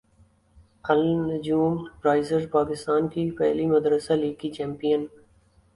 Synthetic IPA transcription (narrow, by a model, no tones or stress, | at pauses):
ɐlnd͡ʒuːmpɾaːɪzəɾpaːkɪst̪aːnkipɛ̰ɦlimɐd̪ɾəsaliːkit͡ʃɛ̃ːmpijən